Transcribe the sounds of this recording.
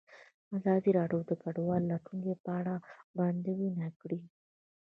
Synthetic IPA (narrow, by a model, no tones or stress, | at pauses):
mazɑziɾɑɖod̪əkaɖwɑlːaʈuŋɡepəaɽaband̪əwinakɽi